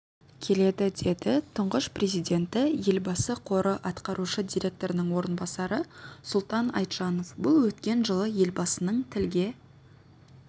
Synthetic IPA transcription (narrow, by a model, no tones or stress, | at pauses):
kʲʰe̞le̞d̪ɪd̪e̞d̪ɪt̪ʰʊɴʁəʃprʲezijd̪ʲe̞nt̪ɪje̞lbɑsəqʰo̞ɾəʔɑt̪qɑɾuʃəd̪ʲijɾʲe̞k̚t̪o̞ɾənɪŋwo̞ɾənbɑsɑɾəsʊlˠt̪ɑnɑ̰jt̪ʒɑno̞fbʊlˠwɵt̪kʲe̞nʒəlˠəje̞lbɑsənəɴt̪ʰɪlɡʲe̞